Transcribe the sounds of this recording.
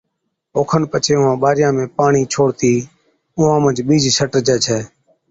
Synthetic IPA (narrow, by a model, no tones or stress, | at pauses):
oːkʰənpət͡ʃʰeːʊɦãːɓaːɾɪjãːmẽːpaːɳiːt͡ʃʰoːɽt̪iː | ʊːãːmə̃nd͡ʒɓiːd͡ʒsəʈəɾd͡ʒɛːt͡ʃʰɛː